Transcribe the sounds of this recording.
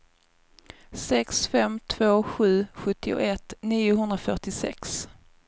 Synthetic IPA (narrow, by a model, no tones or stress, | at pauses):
sɛksfɛmt̪ʰv̥oːɧʉ̟ːɧɵt̪ːɪʊ̰ʔɛt̪niːʊɦɵnd̪ɾafœʈɪsɛ̰ks